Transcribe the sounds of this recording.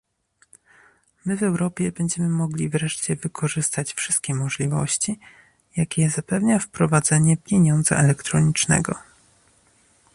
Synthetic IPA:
mɘvɛwɾɔpʲjɛbɛɲd͡ʑɛmɘmɔɡlʲivɾɛʂt͡ɕɛvɘkʰɔʐɘst̪at͡ɕfʂɘst̪̚kʲɛmɔʐlʲivɔ̰ɕt͡ɕi | jakʲɛzapɛvɲafpɾɔvad̪zɛɲɛpʲjeɲɔnd̪zɛ̰ʔɛlɛkt̪ɾɔɲit͡ʂnɛ̰ɡɔ̰

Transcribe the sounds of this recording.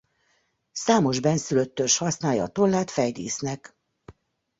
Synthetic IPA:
saːmo̞ʒbɛnsyløt̪ːørʃhɒsnaːjɒ̰ːt̪o̞lːaːt̪fɛjd̪ḭːsnɛk

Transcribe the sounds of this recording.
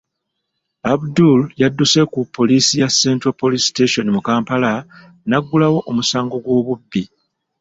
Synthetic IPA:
abduljadːuse̞kupʰːo̞liːsijasːe̞ːntɾopːolisteʃo̞nimukaːmpala | naɡːulawo̞ʔomusaːŋɡo̞ɡwo̞ːβubːi

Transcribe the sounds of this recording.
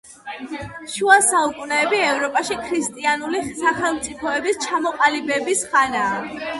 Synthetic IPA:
ʃuasaukʼunɛːbiɛvɾɔpʼaʃikʰɾist̪ʼianulisaχɛlˠmt̪sʼipʰɔɛbist͡ʃʰamɔqʼalibɛbisχanaː

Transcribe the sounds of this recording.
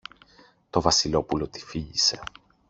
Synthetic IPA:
t̪o̞vɐsilo̞pulo̞t̪i̥fiʝise̞

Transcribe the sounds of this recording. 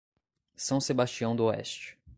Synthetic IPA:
sɐ̃w̃sebast͡ʃiɐ̃w̃d̪ʊoɛ̰st͡ʃɪ̥

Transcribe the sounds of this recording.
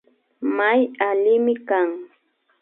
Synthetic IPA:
majalɪmɪkaŋ

